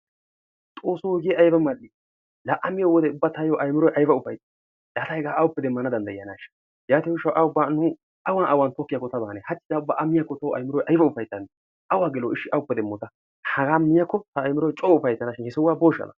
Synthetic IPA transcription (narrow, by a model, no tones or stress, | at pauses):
t̪ʼoːsuɔɡɪjɛʔɐjbɐmːɐlːɪ | lɐʔɐmɪjɔwɔd̪ɛʊbːat̪ɐjoʔɐjmɪɾɔjʔɐjfɐʊfɐjt̪ʼːɐ | laːt̪ɐhɛɡaːɐwʊpːɛd̪ɛmːɐnɐd̪ɐnd̪ɐjɪjɐnaʃɐ̥ | jaːt̪ɪwʊʃɐwʔɐʊbːanʊ | ʔɐwanʔɐwant̪ɔkːɪjakːɔt̪ɐbaːnɛhɐt͡ʃːɪd̪aʊbːaʔɐmːɪjakːɔt̪ɐwɐ̰jmɪɾɔjʔɐjfɐʊfɐjt̪ʼːɐn | ʔɐwaːɡɛloɪʃːɪʔɐwʊpːɛd̪ɛmːɔt̪ɐ | hɐɡaːmɪjɐkːɔt̪ɐːjmɪɾɔjt͡ʃʼɔʊfɐjt̪ːɐnɐʃɪnhɪsɔwːaːboːʃɐ̰nɐ̰